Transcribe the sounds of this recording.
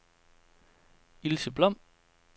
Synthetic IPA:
ilsəb̥lɒm̰

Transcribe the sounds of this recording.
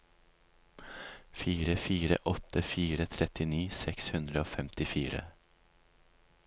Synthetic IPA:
fiːɾəfiːɾə̰ʔɔt̪ʰəfiːɾət̪ʰɾɛt̪ɪniːsɛkshʉnd̪ɾəoːfɛmt̪ɪfiːɾə̰

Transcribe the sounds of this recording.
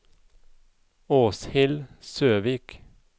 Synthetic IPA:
oːshɪlsøːʋiːk

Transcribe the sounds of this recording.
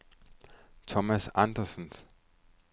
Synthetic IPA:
tʰɔmasandɐsɔns

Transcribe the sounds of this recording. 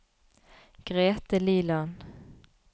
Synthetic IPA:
ɡ̥ʁeːt̪əliːlɑn

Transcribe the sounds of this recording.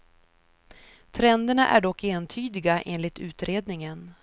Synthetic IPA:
t̪ʰɾɛnd̪əɳaʔæ̰ɖɔkːeːnt̪ʰyːd̪ɪɡaʔḛːnlɪt̪ʰʉ̟ːt̪ɾeːd̪nɪŋən

